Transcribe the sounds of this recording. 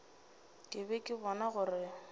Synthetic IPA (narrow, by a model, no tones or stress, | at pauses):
kʼɪbɛkʼɪbɔnaɣʊrɪ